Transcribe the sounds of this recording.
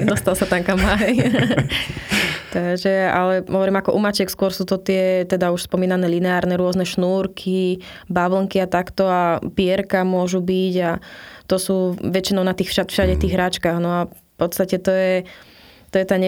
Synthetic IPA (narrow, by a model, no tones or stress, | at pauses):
d̪ɔst̪alsat̪aŋkamaɛj | t̪aɡʒɛa̰lɛɦɔʋɔɾiːmakɔʔumat͡ʃɛkskʊɔɾsuːt̪ɔt̪ɪɛt̪ɛd̪auʃspɔmiːnanɛːlinɛaːɾnɛːɾʊɔznɛʃnuːɾkʰi | baʋl̩ŋkiat̪akt̪ɔapɪɛɾkamʊɔʒubiɟat̪ɔsuːʋɛt͡ʃinɔʊnat̪iːxʃafʃaɟɛt̪iːɣɦɾat͡ʃkaɣnɔafpɔt̪t͡st̪acɛt̪ɔjɛ | t̪ɔjɛt̪aːɲ